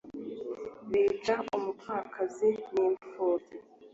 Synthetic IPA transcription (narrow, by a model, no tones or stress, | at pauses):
βiːt͡ʃaumupʰaːkʰaziniːɱfoːti